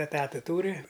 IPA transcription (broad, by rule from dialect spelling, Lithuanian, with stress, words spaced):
ɛˈtɑːtɐ ˈtuːrʲɪ